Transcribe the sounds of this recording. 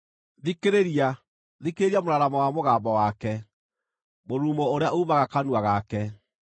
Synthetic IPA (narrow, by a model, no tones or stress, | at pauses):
ðikeɾeɾia | ðikeeɾiamoɾaɾamɔwamoɣaːmbɔwakɛ | moɾuːmooɾeaʔoumaɣakanuaɣaːkɛ